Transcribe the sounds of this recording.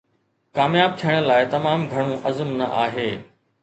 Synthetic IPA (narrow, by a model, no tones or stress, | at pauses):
kaːmjaːb̚t̪ʰijəɽ̃ə̆laːɪt̪ɐmaːmɡʱɐɽ̃ũʔɐzəmnɐ̰ʔa̰ːɦeː